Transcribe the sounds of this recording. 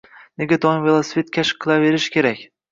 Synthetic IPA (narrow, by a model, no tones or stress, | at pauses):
neɡʲad̪ɒjvelˠasvet̪̚kʰʲaʃqʰːɨlˠave̞ɾɪʃkʲʰe̞ɾakʲ